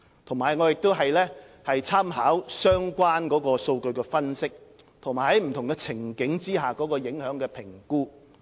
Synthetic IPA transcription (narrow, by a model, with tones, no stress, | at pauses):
t̪ʰʊ˨˩ŋmaː˨˩jŋɔː˨˧jɪ˨k̚t̪o˥wɦɐ˨jlɛː˥ | hɐ˨jt͡sʰaː˥mɦaː˨˥wsœː˥ŋkʷaː˥nkɔː˨˥kɔː˧so˧wkɵ˧ɥkɛː˧fɐ˥nsɪ˥k̚ | t̪ʰʊ˨˩ŋmaː˨˩hɐ˨˥jm̩˨˩t̪ʰʊ˨˩ŋkɛ˧t͡sʰɪ˨˩ŋkɪ˨˥ŋt͡siː˥ɦaː˨kɔː˨˥kɔː˧jɪ˨˥ŋhœː˨˥ŋkɛː˧pʰɪ˨˩ŋkuː˥